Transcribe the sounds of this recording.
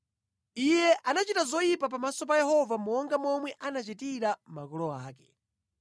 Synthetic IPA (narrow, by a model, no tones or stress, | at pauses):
ijɛʔanat͡ʃitazɔjipapamasɔp̬ajɛɦɔvamɔŋɡamɔmwɛʔanat͡ʃitiɾamakɔlɔaːkɛ